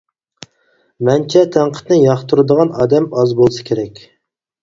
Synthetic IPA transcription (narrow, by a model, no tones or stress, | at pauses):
mɛnt͡ʃʰɛt̪ʰæŋqʰə̥t̪nɨjɑχt̪ʰuɾɨd̪əʁɑnɑːd̪ɛmɑzbolˠɨsɨ̥kʲʰeɾɛkʲ